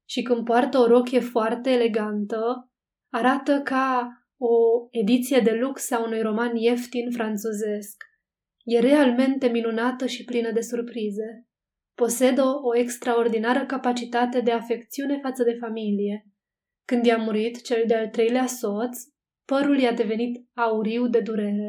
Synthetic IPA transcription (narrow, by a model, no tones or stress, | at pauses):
ʃikɨnd̪̚poart̪əo̞ɾo̞kʲje̞foart̪eːle̞ɡant̪ə | aɾat̪əka | o̞e̞d̪it̪sije̞d̪e̞luksaunujro̞manje̞ft̪infɾant̪t͡ʃuze̞sk | je̞ɾe̞alme̞nt̪e̞minunat̪əʃiplinəd̪e̞surpɾize̞ | po̞se̞d̪əoekst̪ɾao̞rd̪inaɾəkapat͡ʃit̪at̪e̞d̪e̞afe̞kt̪siune̞fat̪səd̪e̞familije̞ | kɨnd̪jamuɾit̪t͡ʃe̞ld̪ealt̪ɾe̞jleaso̞t̪sʲ | pəɾuljad̪e̞ve̞nit̪auɾiwd̪e̞d̪uɾe̞ɾe̞